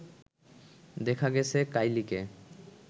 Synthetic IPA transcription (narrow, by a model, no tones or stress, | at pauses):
d̪ɛkʰaɡɛt͡ɕʰekajlike